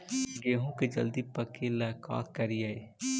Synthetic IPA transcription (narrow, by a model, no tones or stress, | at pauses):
ɡeːɦũked͡ʒə̰ld̪ipəkelaka̰ːkːəɾijae